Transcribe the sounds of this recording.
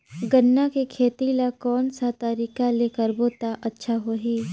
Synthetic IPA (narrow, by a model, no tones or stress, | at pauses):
ɡənːakekʰeːt̪ilakɔːnsat̪əɾiːkaleːkəɾboːt̪aʔɐtːʃʰaɦoːɦiː